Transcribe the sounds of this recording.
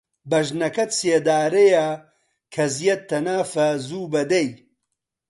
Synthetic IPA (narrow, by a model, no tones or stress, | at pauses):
bɐʒnɐkɐt̪seːd̪aːɾeja | kʰɐzijɐt̪ʰːɐnaːfɐzuːbɐd̪ej